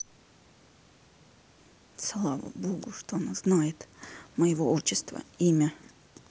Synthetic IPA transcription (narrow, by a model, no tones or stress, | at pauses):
slˠavə̰boɡʊʂt̪oɐnaznajɪt̪məjɪvoot͡ɕːɪst̪və̰imʲə